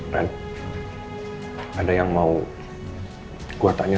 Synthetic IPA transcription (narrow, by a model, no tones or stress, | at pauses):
ka̰n | adajaŋmau | kuat̪aɲa